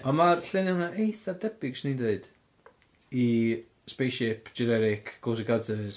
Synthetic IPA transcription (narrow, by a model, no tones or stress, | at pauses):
ɔnmarɬenɪnaʔejθadɛb̥ɪɡ̥snindeɨd̥ | i | spejʃɪpʰd͡ʒɛnɛɾɪkʰkʰːows̬ɪɡadəs